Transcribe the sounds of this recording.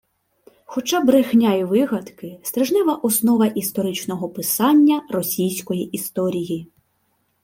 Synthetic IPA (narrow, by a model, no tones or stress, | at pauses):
xɔt͡ʃɑbɾexnʲajiʋɪɦɐd̪kɪst̪ɾɪʒnɪʋɐʔɔsnɔʋɐʔist̪ɔɾɪt͡ʃnɔɦɔpɪsɑnʲːɐrɔsʲijsʲkɔjiʔist̪ɔɾʲiji